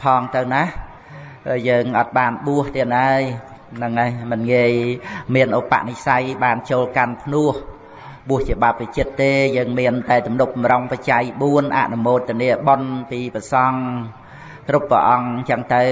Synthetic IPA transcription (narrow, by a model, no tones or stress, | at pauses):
pʰɑːŋt̪ɨwnah | jəːŋʔɑːt̪̚ɓaːnɓuəht̪iənʔaəj | nɨŋajmɨnŋiəjmiənʔoːpa̰ʔnihsajɓaːnt͡ɕoːlkanpʰnuəh | ɓuəht͡ɕiəɓap̚ʋit͡ɕiət̪ːeːjəːŋmiənt̪aɛt̪umnup̚mroŋpət͡ɕajɓuənʔa̰ʔnumoːt̪ːɨəniəɓonpiːprəsɑŋ | krupːrə̰ʔɑŋɲt͡ɕəŋt̪ɨw